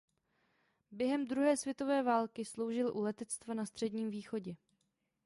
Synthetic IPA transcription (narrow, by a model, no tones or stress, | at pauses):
bjɛɦɛmd̪ɾuɦɛːsvjɛt̪o̞vɛːvaːlkɪslo̞wʒɪlʔulɛt̪ɛt͡st̪vanast̪r̥ɛdɲiːmviːxo̞ɟɛ